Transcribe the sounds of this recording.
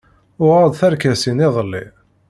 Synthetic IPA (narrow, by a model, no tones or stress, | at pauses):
ʊʁad̪ˤθəɾkæsinɪðˤəlːḭ